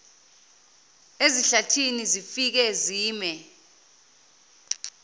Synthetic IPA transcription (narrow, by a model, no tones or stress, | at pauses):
eziɬatʰinizifik̬ɛziːmɛ